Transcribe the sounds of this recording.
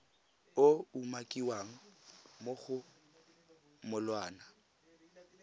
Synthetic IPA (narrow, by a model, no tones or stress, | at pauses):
oumakʼiwaŋ̩moɣʊ | mʊlwaːna